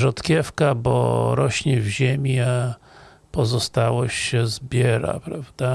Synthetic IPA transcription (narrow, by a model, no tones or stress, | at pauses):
ʐɔt̪kʲɛfkabɔ̰ɾɔɕɲɛvʑemʲia | pɔzɔst̪awɔɕɕɛzbʲjɛɾa̰pɾavd̪̥a